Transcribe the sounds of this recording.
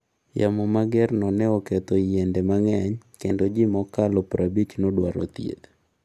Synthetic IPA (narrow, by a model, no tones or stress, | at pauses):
jamɔmaɡɛrnɔnɛɔket̪ojendɛmaŋɛɲkendod͡ʒɪmɔkalɔpɾʔabit͡ʃnodwaɾɔ̰t̪jḛd̪